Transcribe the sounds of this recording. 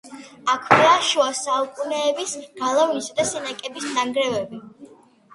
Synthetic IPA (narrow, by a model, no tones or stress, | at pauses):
akʰvaʃuasaukʼunɛːbisɡ̥alˠavnisad̪asɛnakʼɛbisnaŋɡɾɛvɛbi